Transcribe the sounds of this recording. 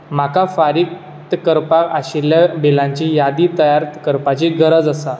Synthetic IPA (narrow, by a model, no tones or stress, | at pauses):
m̤akafaɾik | t̪əkəɾpaaɕiljabelãɲt͡ɕijad̪iːt̪əjaɾt̪kəɾpat͡ɕiɡʱəɾəd͡zəsa